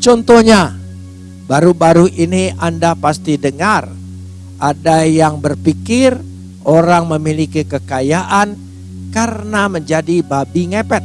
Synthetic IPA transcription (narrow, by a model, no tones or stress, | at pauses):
t͡ʃɔnt̪ɔhɲa | baɾubaɾuiniʔandapast̪idəŋar | ʔadajaŋbərpikɪr | ʔoɾaŋməmilikikəkajaʔan | karənaməɲd͡ʒadibabiŋepɛt̪̚